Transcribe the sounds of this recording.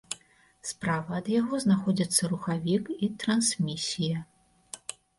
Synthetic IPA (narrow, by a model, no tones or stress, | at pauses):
spɾavɐːd̪jaɣɔznaxɔd͡zʲit̪sːɐɾuxavʲikit̪ɾɐnsʲmʲisʲijɐ